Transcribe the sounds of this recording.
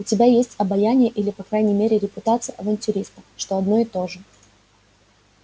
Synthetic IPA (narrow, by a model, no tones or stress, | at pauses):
ʊtʲɪbʲajesʲtʲɐbɐjanʲɪjəʔilʲɪpɐkɾajnʲɪjmʲeɾʲɪɾʲɪpʊt̪at̪sɨjəʔɐvənʲtʲʊɾʲist̪əʂt̪o̞ɐd̪no̞ɪt̪o̞ʐɨ